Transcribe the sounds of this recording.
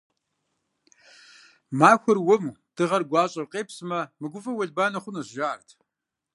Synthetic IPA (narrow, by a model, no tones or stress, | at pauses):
maːxʷʊrwʊmud̥ɨʁɐrɡʷɑːɕʼɐwqʼeːpsɨmɐmɨɡʷʊfʼɐwɐɮbaːnɐχʷʊnɐɕʒaːrtʰ